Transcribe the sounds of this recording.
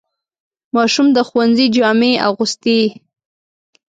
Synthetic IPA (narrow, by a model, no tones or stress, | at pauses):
mɑʃumd̪əxwanzid͡ʒɑmea̰ɣust̪e